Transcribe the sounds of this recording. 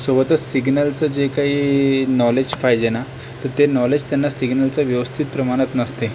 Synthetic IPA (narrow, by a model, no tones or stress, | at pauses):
sobət̪ət͡ssiɡnəlt͡səd͡ʑekaɦiːnɔled͡ʑfajd͡ʑena | t̪əɾt̪enɔled͡ʑt̪janːasiɡnəlt͡saʋjəʋəst̪ʰit̪̚pɾəmaɽ̃ət̪nəst̪e